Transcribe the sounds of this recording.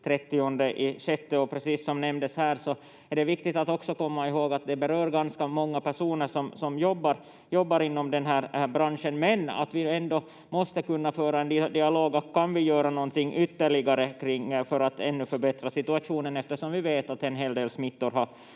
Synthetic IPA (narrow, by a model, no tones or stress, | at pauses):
t̪ʰɾɛt̪ːɪɔnd̪əʔɪɕɛt̪ːɛɔpʰɾɛsiːsːɔmnɛmd̪əshæːɾʂɔ | æɖɛvɪkt̪ɪt̪at̪ɔksɔkɔmːaɪɦoːɡat̪̚d̪ɛbɛɾøːɾɡanskamɔŋːapæʂuːnəʂɔmsɔmjɔbːaɾ | jɔbːaɾɪnːɔmd̪ɛnɦæːɾbɾanʂənmɛna̰t̪vɪɛnd̪ɔ | mɔst̪əkɵnːafœːɾaɛnd̪d̪ɪaloːɡɔkʰːanvɪjøːɾanɔnt̪ɪŋːʔʏt̪ːəɭɪɡaɾəkʰɾɪŋːfœɾat̪ɛnːɵfœɾbɛt̪ɾasɪt̪ɵɑʂuːnənɛft̪əʂɔmvɪveːt̪at̪ɛnɦeːld̪eːlsmɪt̪ːɔɾɦɑɾ